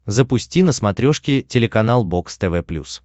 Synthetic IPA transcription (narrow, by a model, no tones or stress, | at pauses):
zəpʊsʲtʲinəsmɐt̪ɾʲoʂkʲɪtʲɪlʲɪkɐnalˠbo̞kst̪ɛvɛplʲṵs